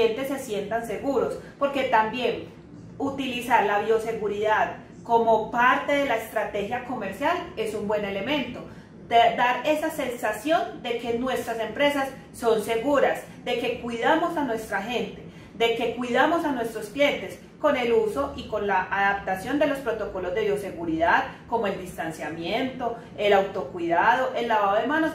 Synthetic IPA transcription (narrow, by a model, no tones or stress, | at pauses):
ent̪e̞sːe̞sje̞nt̪anse̞ɣuɾo̞spo̞ɾke̞t̪ambje̞n | ut̪ilisaɾlaβjo̞se̞ɣuɾiðað | ko̞mo̞paɾt̪e̞ðe̞laest̪ɾat̪e̞xjako̞me̞ɾsjale̞sumbwe̞nele̞mẽ̞nt̪o̞ | d̪aɾe̞sase̞nsasjo̞nd̪e̞ke̞nwe̞st̪ɾase̞mpɾe̞sasːo̞nse̞ɣuɾas | d̪e̞ke̞kwiðamo̞sanwe̞st̪ɾaxe̞nt̪e̞ | d̪e̞ke̞kwiðamo̞sanwe̞st̪ɾosklje̞nt̪e̞s | ko̞ne̞luso̞ʔiko̞nlaʔaðap̚t̪asjo̞nd̪e̞lo̞spɾo̞t̪o̞ko̞lo̞zd̪e̞βjo̞se̞ɣuɾiðaðko̞mo̞e̞ld̪ist̪ansjamje̞nt̪o̞ | e̞lawt̪o̞kwiðað̞o̞ʔe̞lːaβaðoemãnos